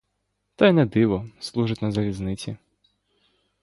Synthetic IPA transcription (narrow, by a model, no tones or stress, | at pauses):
t̪ajnɛd̪ɪʋɔslˠuʐɪtʲnɐzɐlʲiznɪt͡sʲḭ